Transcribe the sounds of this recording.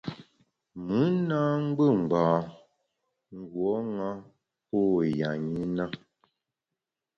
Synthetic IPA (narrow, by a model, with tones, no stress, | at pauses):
mɨ˨˦naː˦ŋ̩˦ɡ͡bə˦˨m̩˨baː˨ | ŋ̩˦ɡwɔ˨˦ŋa˦ | po˦˨ja˨ɲi˦na˦